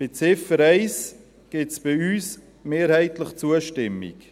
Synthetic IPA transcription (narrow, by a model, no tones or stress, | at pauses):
b̥ɪt͡sɪfəɾɛɪs | ɡ̥ɪtsb̥ɪyːs | meːɾhɛɪtləχt͡suəʃtɪmːḭk